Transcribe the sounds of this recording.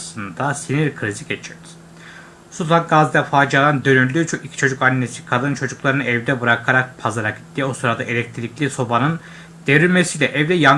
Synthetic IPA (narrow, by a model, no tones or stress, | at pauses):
sˠɯnd̪asiniɾkʰɯɾiziɟʲe̞t͡ʃʰiɾd̪i̥ | sut̪ʰakɡazd̪ɛfaːd͡ʒalˠand̪ø̞nyɾlʲyt͡ʃʰokicʰi̥t͡ʃʰo̞d͡ʒukanːesi̥kʰad̪ɯnt͡ʃʰo̞d͡ʒuklˠaɾɯnɯɛvd̪ɛbuɾakʰaɾak̚pʰazaɾaki̥t̪d̪ʲio̞suɾad̪aʔelʲɛc̚t̪ʰilʲiclʲiso̞banɯn | d̪̥eɾynmesilʲɛʔɛvd̪ɛja